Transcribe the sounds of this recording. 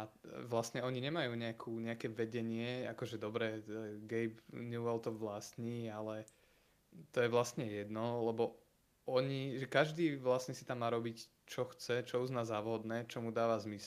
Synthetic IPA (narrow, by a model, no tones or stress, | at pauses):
aʋlast̪ɲɛɔɲiɲɛmajuːɲɛakʰuːɲɛakɛʋɛɟɛɲɪɛa̰kɔʒɛd̪ɔbɾɛɡɛjbnjuʋɛlt̪ɔʋlast̪ɲiːalɛ | t̪ɔjɛʋlast̪ɲɛjɛd̪nɔlɛbɔ | ʔɔɲiʒɛkaʒd̪iːʋlast̪ɲɛsi̥t̪amːaːɾɔbic | t͡ʃɔxt͡sɛt͡ʃɔuznaːzaːʋɦɔd̪nɛːt͡ʃɔmud̪aːʋazmisl